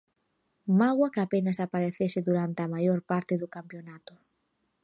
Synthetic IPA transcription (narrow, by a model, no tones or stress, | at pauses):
maɣwakapenɐsapaɾeθesɪðuɾant̪eamajoɾpaɾt̪ɪðʊkampjonat̪ʊ̥